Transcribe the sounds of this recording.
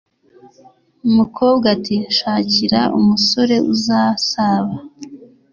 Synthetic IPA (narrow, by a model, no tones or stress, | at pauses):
umukʰo̞ːbɡatiʃaːciɾaʔumuso̞ɾe̞ʔuzasaβa